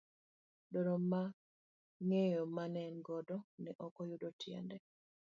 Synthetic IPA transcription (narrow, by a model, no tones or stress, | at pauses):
doɾoma | ŋejɔmanɛnɡɔdɔnɛʔɔkɔjudotʰjɛ̰ndɛ